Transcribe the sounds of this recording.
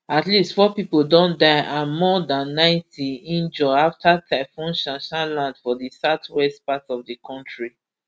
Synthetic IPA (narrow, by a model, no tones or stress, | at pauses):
atlistfɔpipoldɔ̃ndaãmɔdãnːãɪ̃ntʰiĩnd͡ʒɔaftataɪfɔ̃nʃãʃãlãndfɔdisatwɛstpatɔfdikʰɔ̃ntɹi